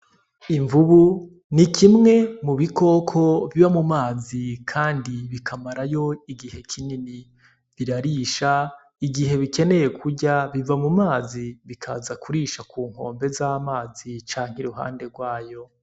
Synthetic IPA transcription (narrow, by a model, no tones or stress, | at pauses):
iɱvuβu | nikʰimŋe̞muβiko̞ːkʰo̞βiβamumaːzikʰaːndiβikʰamaɾajo̞iɡihe̞kʰinini | βiɾaɾiʃa | iɡiɦe̞βike̞ne̞je̞kʰuɾɟaβivamumaːziβikʰa̰zakuɾiʃakuːŋ̥o̞̰ːmbe̞zaːmaːzit͡ʃaːŋ̥hiɾuɦa̰ːnde̞ɾɡwaːjo̞